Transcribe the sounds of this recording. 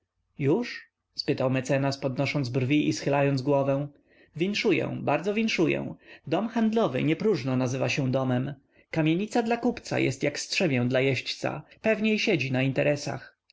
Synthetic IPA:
juʂ | spɘt̪awmɛt̪sɛnaspɔd̪nɔʂɔnd̪zbrvʲiʔisxɘlajɔnd̪zɡwɔvɛ̃w̃ | vʲinʂujɛ̰̃baɾd̪zɔvʲinʂujɛ̰̃d̪ɔmxand̪lɔvɘ̰ɲɛpɾuʐnɔnazɘvaɕɛ̃w̃d̪ɔmɛm | kamʲjeɲit̪sad̪lakupt̪sa̰jɛ̰st̪jakstʂɛmʲjɛ̃w̃d̪lajɛɕt͡ɕt̪sa̰pɛvɲejɕɛd͡ʑinaint̪ɛɾʔɛsa̰x

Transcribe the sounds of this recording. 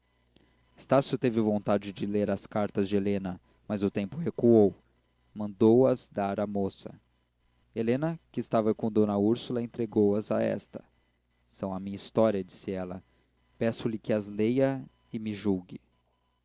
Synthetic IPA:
ɪ̥st̪asjʊt̪evɪvõnt̪ad͡ʒɪd͡ʒɪleɾɐskaɾt̪ɐzd͡ʒɪelẽnɐ | mɐzʊt̪ẽmpʊhekuow | mɐ̃nd̪owɐzd̪aɾɐmosɐ̰ | elẽnɐkɪːst̪avɐkõd̪õnɐuɾsulɐẽnt̪ɾeɡowɐza̰ɛ̰st̪ɐ̥ | sɐ̃w̃ɐmĩɲɐist̪ɔɾiɐd͡ʒisɪɛlɐ | pɛsʊlɪkɪɐzlejɐ | ɪmɪʒuɡɪ

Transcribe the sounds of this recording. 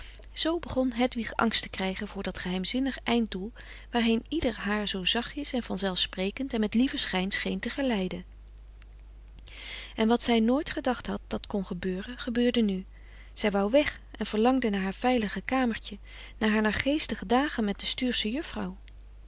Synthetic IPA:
z̥owbəχɔnɦɛtʋiχɑ̰ŋstə̥krɛjχənvʊːɹdɑtχəɦɛjmzɪnəχʔɛjnt̚dulˠ | ʋaːɹɦejnidəɹɦaːɹzowzɑχɪsɛnv̥ɑnzɛlˠfsprejkəntɛnmɛtlivəsχɛjnsχejntəχəlɛjdən | ɛnʋɑtsɛjnoːjtχədɑχtɦɑt̚d̥ɑtkɔnχəbøːrənχəbøːɹdəny | z̥ɛjʋɑwʋɛχ | ʔɛnv̥əɹlɑŋdənaːɹɦaːɹv̥ɛjləχəkaːməɹtə | naːɦaːɹnaːɹχejstəχədaːχənmɛt̚d̥əstyːɹsəjɵfrɑw

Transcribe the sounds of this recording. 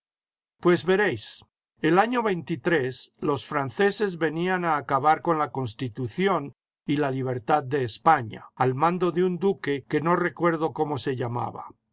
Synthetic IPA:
pwe̞zβe̞ɾe̞js | elaɲo̞βe̞jnt̪it̪ɾe̞slo̞sfɾanθe̞se̞zβe̞nianaːkaβaɾko̞nlako̞ns̬t̪it̪uθjo̞n | ilaliβ̞e̞ɾt̪að̚de̞ːspaɲa̰ːlmãnd̪o̞ðeund̪uke̞ke̞no̞re̞kwe̞ɾð̞o̞ko̞mo̞se̞ʎama̰βa̰

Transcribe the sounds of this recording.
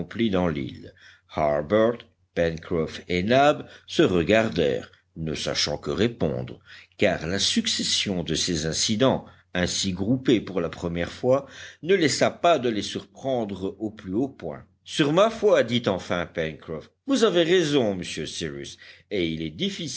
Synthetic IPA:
ɔ̃plid̪ɑ̃lḭl | haʁbœʁt̪ | pɛnkχɔfenabsəʁəɡaʁd̪ɛ̰ːʁ | nə̰sa̰ʃɑ̰̃kəʁepɔ̰̃d̪ʁəkaːʁlasyksɛsjɔ̃d̪əsezɛ̃sid̪ɑ̃ | ɛ̃siɡʁupepuʁlapχəmjɛʁfwanəlɛsapad̪əlesyʁpχɑ̃d̪ʁoplyopwɛ̰̃ | syʁmafwad̪it̪ɑ̃fɛ̃pɛnkχɔf | vuzaveʁezɔ̃məsjøsiʁy̰seilɛd̪ifi

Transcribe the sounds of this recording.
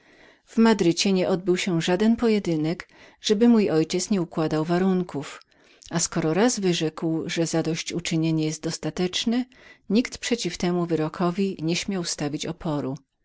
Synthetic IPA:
v̥mad̪ɾɘt͡ɕɛɲɛʔɔd̪̚bɘwɕɛʐad̪ɛnpɔjɛd̪ɘnɛk | ʐ̥ɛbɘmujɔjt͡ɕɛt̪sɲɛukwad̪awvaɾuŋkʰuf | askɔɾɔɾazvɘʐɛkwʐɛzad̪ɔɕt͡ɕut͡ʂɘɲeɲɛjɛst̪̚d̪ɔst̪at̪ɛt͡ʂnɛɲikt̪pʂɛt͡ɕift̪ɛmuvɘɾɔkʰɔvʲiɲɛɕmʲjawst̪avʲit͡ɕɔpʰɔɾu

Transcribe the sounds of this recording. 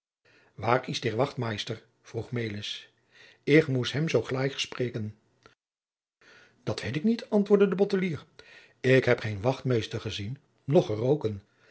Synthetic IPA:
ʋaːrɪzdɪːɹʋɑχtmejstər | v̥ruχmejlɪs | ɪkmusɦɛmzowχlɛjχsprejkən | d̥ɑtʋejtɪknitɑntʋʊːɹdədəbɔtəliːr | ɪkɦɛpχejnʋɑχtmejstəɹχəzinː | ɔχərowkən

